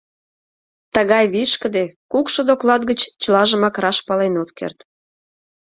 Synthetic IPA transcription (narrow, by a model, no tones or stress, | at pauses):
t̪əɣɑjβiʃkə̆d̪ekukʃod̪oklɑt̪ɡət͡ɕt͡ɕəlɑʒəmɑkrɑʃpɑlenot̪kḛrt̪